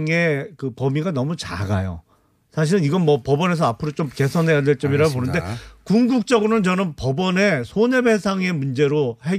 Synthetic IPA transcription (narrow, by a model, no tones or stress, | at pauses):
ŋe̞kɯpʌmiɡanʌmut͡ɕa̰ɡajo̰ | sʰaɕ̬ʰiɾɯniɡʌnmʌpʌbʌne̞s̬ʰʌapʰɯɾot͡ɕ͈omke̞sʰʌnɦe̞jadwe̞ɭt͡ɕ͈ʌmiɾaɡoponɯnde̞kuŋɡuk̚t͡ɕ͈ʌɡɯɾonɯnt͡ɕʌnɯmpʌbʌne̞sʰone̞be̞sʰaŋe̞mund͡ʑe̞ɾohe